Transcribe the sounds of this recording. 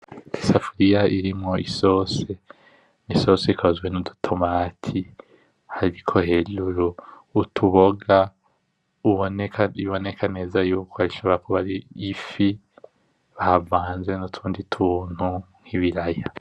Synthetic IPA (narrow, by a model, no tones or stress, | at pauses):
isafuɾijaiɾimŋo̞ʔiso̞ːse̞ | niso̞seikʰozwenudutʰomaːtʰi | haɾikʰo̞he̞luɾuː | tʰuβoɡa | uβoniβo̞ne̞kʰane̞ːzajuːkʰoaiʃoːβaɾakʰoβaɾiːfi | βahavaːnzenutʰuːnditʰuːn̥hu | ŋ̥hiβiɾaja